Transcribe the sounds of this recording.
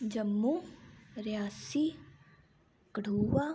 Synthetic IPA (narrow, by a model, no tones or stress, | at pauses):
d͡ʒəmːuːɾjaːsi | kəɽuːʋaː